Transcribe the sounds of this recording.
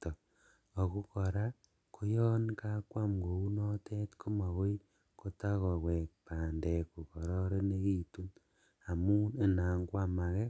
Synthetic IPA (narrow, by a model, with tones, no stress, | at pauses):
to˨ | o˨ku˦kɔ˨ɾa˦ | kʰo˦jɔ˦nka˦kwa˦mɡo˨u˦nɔ˦tʰe˦tkʰu˦ma˨we˦ | ko˦ta˦kɔ˨kwe˨k̚paː˨ndɛ˨ku˨kɔ˨ɾɔ˦ɾe˦ne˦ki˦˨tu˦n | a˨mu˦ne˦˨na˨ŋɡwa˦ma˨kɛ˦